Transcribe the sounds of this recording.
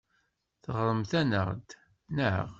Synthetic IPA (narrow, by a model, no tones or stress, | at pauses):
θəʁɾˤəmθænəʁd̪ | nə̰ʁ